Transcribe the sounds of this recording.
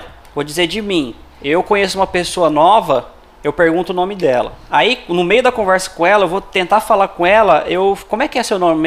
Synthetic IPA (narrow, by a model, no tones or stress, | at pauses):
vod͡ʒizeɾd͡ʒɪmĩewkõɲesʊũmɐpesoɐnɔvɐ | ewpeɾɡũnt̪ʊːnõmɪd̪ɛlɐ̰ainʊmejʊd̪ɐkõvɛɾsɐ̥kõɛlɐewvot̪ẽnt̪afalaɾkõɛlɐʔewkõmʊɛkɪɛsewnõmɪ